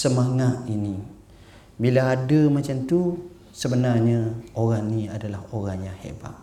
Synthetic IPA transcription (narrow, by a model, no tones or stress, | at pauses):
səmaŋat̪̚ini | bilaːdamat͡ʃamt̪u | səbənarɲaoɾaŋniadalaɦoɾaŋjaŋhḛba̰ʔ̪